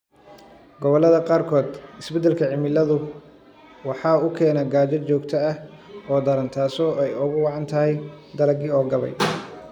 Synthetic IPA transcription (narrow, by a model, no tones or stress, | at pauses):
ɡɔβɔlɐðɐqɑːrkʰɔːd̪ɪsbɛd̪ɛlkʰɐʕɪmɪlɐðʊ | wɑħɑːʊkʰɛːnɐɡaːd͡ʒɐt͡ʃɔːɡt̪ʰɐɐhɔːd̪ɐɾɐnt̪ʰaːsɔɛjʊɣʊwɑʕɑnt̪ʰɐhɛj | d̪ɐlɐɡɪɔːɡɐβɛ̰j